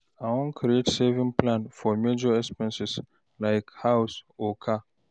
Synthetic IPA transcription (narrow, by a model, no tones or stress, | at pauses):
awʊ̃nkʰɾietsɛvĩŋpʰlãnfɔmed͡ʒɔɛspɛ̃nsɪs | lajkhawsokʰa